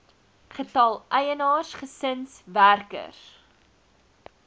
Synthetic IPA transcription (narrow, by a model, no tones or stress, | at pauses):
χətɐlˠʔɛjənɑːrsχəsənsværkə̰r